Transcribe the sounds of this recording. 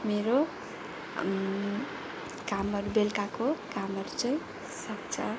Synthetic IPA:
meɾo | kamʌɾbelkakokamʌɾt͡sʌj̃ | sʌk̚t͡sʰʌ̰

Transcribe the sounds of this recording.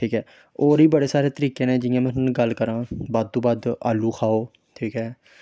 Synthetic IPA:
ʈʰiːkɛː | oːɾiːbəɽeːsaːɾeːt̪əɾiːkẽːnẽːd͡ʒɪjãːmɛ̃ːnːnɡəlkəɾãːbaːd̪̚t̪õːbaːd̪aːluːkʰaːoː | ʈʰiːkɛː

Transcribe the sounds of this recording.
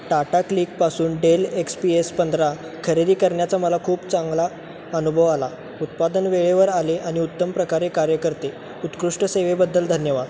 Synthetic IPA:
ʈaʈakliːk̚pasuːnɖelekspiespənd̪ɾa | kʰəɾed̪iːkəɾɳjat͡saməlakʰuːpt͡saŋɡla | ənubʱəʋala | ut̪̚pad̪ənʋeɭeʋəɾaleʔaɽ̃iut̪ːəmpɾəkaɾekaɾjəkəɾt̪e | ut̪kɾuʂʈəseʋebəd̪ʱːəld̪ʱənjəʋad̪

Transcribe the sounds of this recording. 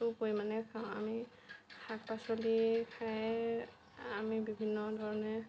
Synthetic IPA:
upojmanɛkʰaʊ̃ami | kʰak̚pasɔlikʰaj | amibibʱinːɔdʱɔɹɔnɛ

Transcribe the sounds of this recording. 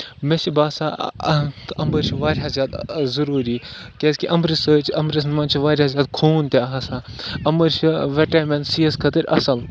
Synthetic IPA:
meʃʰibaːsa | ɐmbəɾʃʰiʋaːɾʲɦɐzʲjaːd̪zɐɾuːɾikʲeːskʲiʔɐmbɾisəːt͡ʃɐmbɾʲis̬nmɐnt͡ʃʰiʋaːɾʲhɐzʲaːd̪̚kʰuːnt̪eɐɦɐsaː | ɐmbəɾʃiʋeʈaːmẽnt̪siɐskʰɐt̪əɾʲʔɐ̰sɐl

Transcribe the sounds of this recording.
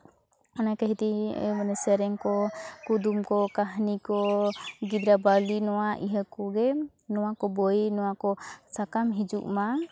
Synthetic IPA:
anakaɦit̪ḭmanɛsɛɾɛŋkɔkud̪umkɔkaɦnikɔɡid̪ɾabalinɔwaʔiɦakɔɡɛ | nɔwakɔbɔjnɔwakɔsakamɦid͡ʒuʔma

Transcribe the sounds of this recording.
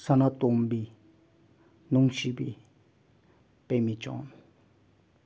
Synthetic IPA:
sanãt̪umbi | nũŋʃibi | pemĩt͡ʃɔ̰̃n

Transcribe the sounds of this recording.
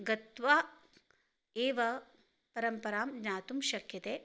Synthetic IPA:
ɡɐt̪ʋaː | eːʋɐ | pɐɾɐmpɐɾaːmɲaːt̪umʃɐkjɐt̪eː

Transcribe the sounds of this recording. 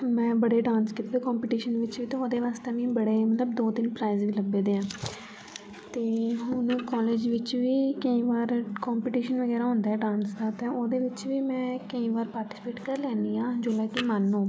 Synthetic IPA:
mɛ̃ːbəɽeːɖãːnskɪt̪eːd̪ːkɔ̃ːmpiːʈiːʃənʋɪt͡ʃʋiːt̪ẽːoːd̪eːʋaːst̪eːʋĩːbəɽeːmət̪ləbd̪oːt̪ɪnpɾaːizʋiːləbːeːd̪eːãː | t̪eːɦʊnũːkɔːleːd͡ʒʋɪt͡ʃʋiːkəĩːʋaːɾkɔːmpiːʈiːʃənʋəɡɛːɾaːɦʊ̃nd̪aːɛːɖãːnsd̪aːt̪ẽːoːd̪eːʋɪt͡ʃʋiːmɛ̃ːkəĩːʋaːɾpaːɾʈɪspeːʈkəɾlɛːnd̪iːãːd͡ʒoːlaːkɪmanːõː

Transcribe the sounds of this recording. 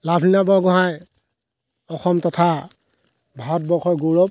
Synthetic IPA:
lapʰninabɔɡɔɦaj | ɔxɔmtɔtʰa | bʱaɦɔt̚bɔkʰɔjɡoɹɔp̚

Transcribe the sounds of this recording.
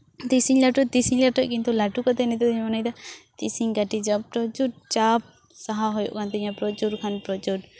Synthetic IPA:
t̪isiɲlaʈut̪isiŋlaʈɔʔ̚kint̪ulaʈukɔt̪ɛnɛt̪ɛiɲamɔnajd̪at̪isiŋɡaʈid͡ʒɔp̚pɾɔt͡ʃuɾ̚t͡ʃap̚ | saɦaɦɔjṵʔkʰant̪ɛɲapɾɔt͡ʃuɾkʰanpɾɔt͡ʃuɾ

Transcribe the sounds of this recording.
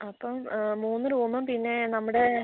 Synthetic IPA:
ɐpːɐmːuːnːɨɾuːmːɐmpinːe̞nɐmːuɽe

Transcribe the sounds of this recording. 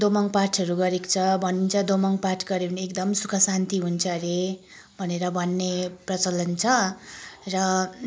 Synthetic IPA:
d̪omʌŋpaʈʰʌɾuɡʌɾekt͡sʰʌbʱʌnint͡sʰʌd̪omʌŋparʈʰɡʌɾewneekd̪ʌmsukʰʌsant̪iɦunt͡sʰʌɾe | bʱʌneɾʌbʱʌnːeprʌt͡sʌlʌnt͡sʰʌ | rʌ

